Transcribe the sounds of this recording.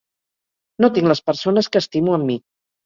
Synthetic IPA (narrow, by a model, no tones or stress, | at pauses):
not̪iŋləspəɾsonəskəːst̪imuəmːi